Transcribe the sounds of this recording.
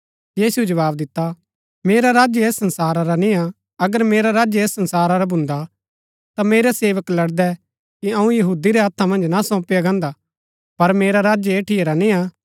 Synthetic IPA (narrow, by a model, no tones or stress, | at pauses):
jiːsud͡ʒɐʋaːbd̪ɪt̪ːa | meːɾaɾaːd͡ʒjəɛːsːɐ̃nsaːɾaɾanĩa | ɐɡəɾmeːɾaɾaːd͡ʒjəɛːsːɐ̃nsaːɾaɾabʱʊ̃nd̪a | t̪ameːɾɛseːʋəklɐɽd̪ɛ | kiɐũjɐɦuːd̪iɾɛɦɐt̪ʰːamɐ̃nd͡ʒnasɔ̃ːpɪjaɡɐ̃ːnd̪a | pɐɾmeːɾaɾaːd͡ʒəeːʈʰɪeɾanĩa